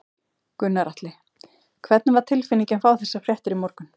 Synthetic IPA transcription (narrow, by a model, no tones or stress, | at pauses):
kʏnːaɾaht̪lɪ | kʰvɛt̪̚nvaɾ̥t̪ʰɪlfɪnicɛnfaːwθɛsːafɾjɛht̪ʏɾimɔɾkʏn